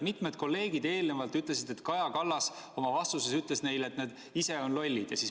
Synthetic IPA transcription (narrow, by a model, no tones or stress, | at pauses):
mit̪ˑmed̪̥̚ko̞lːe̞ːɡ̥id̪e̞ːlnevɑlt̪yt̪ˑle̞sid̪̥e̞t̪kɑjɑkɑlːɑs | o̞mɑvɑst̪usesyt̪le̞sne̞jle̞t̪ned̪̥ | ise̞o̞nlo̞lʲːid̪̥jɑ̰siːs